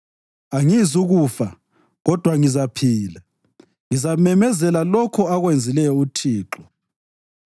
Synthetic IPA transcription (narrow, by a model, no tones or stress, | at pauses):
aŋizuɣufa | ɣɔd̥ʱwaŋizapʰiːla | ŋizamɛmɛzɛlalɔkʰɔaɣwend͡zʱilɛjɔutʰiːǁɔ